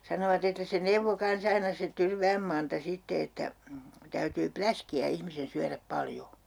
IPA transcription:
sɑnoʋɑt etːæ se neuʋːo kɑns ɑinɑ se tyrʋæːm mɑntɑ sitːe etːæ tæytyː plæskiæ ihmisen syæræp pɑljo

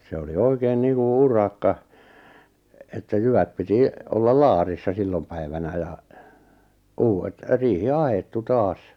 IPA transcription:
se oli oikeːn niːŋku urɑkːɑ etːæ jyʋæt piti olːɑl lɑːrisːɑ silːom pæiʋænæ jɑ uːwet riːhi ɑhetːu tɑːs

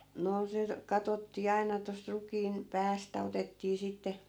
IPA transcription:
noː se kɑtotːiː ɑi̯nɑ tost rukiːn pæːstæ otetːiː sitːe

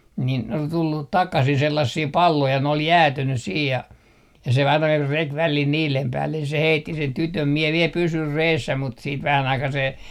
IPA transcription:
nin ol tulːut tɑkɑsin selːɑsːiː pɑlːoi jɑ ne ol jæːtynys siːj jɑ jɑ se ɑinɑ rek ʋælil niːlem pæːlːen se heitːi sen tytøm mie ʋiel pysyr reːsːæ mut siːt ʋæhæn ɑikɑː se

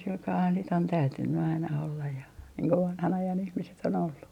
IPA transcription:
silkɑːhɑn sit on tæytynːy ɑinɑ olːɑj jɑ niːŋ ko ʋɑnhɑn ɑjɑn ihmiset on olːu

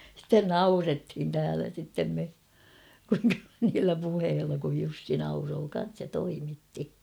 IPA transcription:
sitːen nɑurethin tæːlæ sitːem me niːlːæ puheːlːɑ kuj jusːi nɑuroː kɑn̞s jɑ toimitːi

